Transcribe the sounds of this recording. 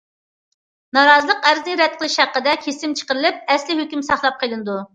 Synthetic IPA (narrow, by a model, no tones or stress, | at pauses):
nɑɾɑzɨlˠəqæɾznɪɾɛt̪̚qəlˠɪʃhæqːəd̪ɛkʲʰesɪmt͡ʃʰə̥qəɾɨlɪp̚ɛslɪɦøkʲymsɑχlˠɑp̚qʰəlˠɨnɨd̪u